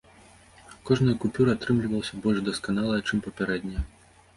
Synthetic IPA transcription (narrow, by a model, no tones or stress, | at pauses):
kɔʐnɐjɐkupʲuɾɨat̪ɾɨmlʲivɐwsʲɐbɔlʲʐd̪ɐskanalˠɐjɐt͡ʂɨmpɐpʲaɾɛd̪ʲnʲɐj